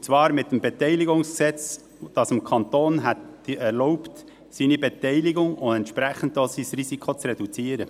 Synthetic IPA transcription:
t͡svɑːɾmɪtːəmbɛtɛɪliɡʊŋsksɛt͡s | d̥ɑsəmkʰɑnt̪oːnɦɛtd̥iɛɾlɔʊpt | siːnibɛtɛɪliɡʊŋʊɛntʃpɾæχn̩d̚doːsisrisikʰot͡sɾɛd̥ut͡siːəɾə

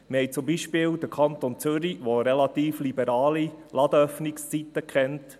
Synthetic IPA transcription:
məhɛjt͡sʊmbiʃpɪːld̥̪əkʰɑnt̪ont͡sʏɾiʋoɾɛlɑt̪iːflibəɾɑːlilɑd̥̪əœfnɪkst͡sit̪əkχɛnt

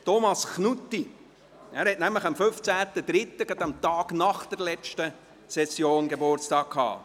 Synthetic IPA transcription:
tomɑsknutːi | æːɾhɛtnæmləχɑmføft͡sæːt̪əd̪ɾɪt̪ːəɡ̥ɑd̪ɑmt̪ɑːɡ̥nɑχd̥̪əɾlɛt͡ʃtə | sɛsjoːnɡebʊɾt͡stɑːkkʰhɑ̰ː

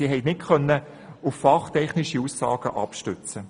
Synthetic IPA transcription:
iːɦɛɪtnɪtχœnːə | ʊfːɑχtʰɛχnɪʃiusːɑ̰ːɡ̥əʔɑ̰pʃtʏt͡sə

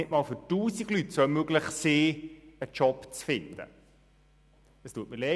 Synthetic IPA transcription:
ɪtmɑːlføtuːsiɡlytsomøɡlɪχsiːət͡ʃɔpt͡sfɪnd̪ə̰ | əstuːət̚mɪle

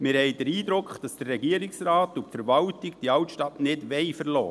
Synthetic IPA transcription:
mɪɾhɛɪd̥əɾiːdɾʊkχd̥ɑsd̥ərːɛɡiːəɾɪksɾaːtʊfəɾvɑwtɪɡd̥iɑwtʃtɑtnɪdʋɛɪfəɾlɔ̰ː

